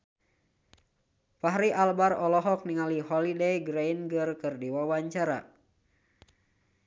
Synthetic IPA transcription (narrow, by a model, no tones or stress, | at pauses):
paɦɾiʔalbarɔlɔɦɔk̚niŋaliɦɔlidejɡɾejnɡɨrkɨrdiwawaɲt͡ʃaɾa̰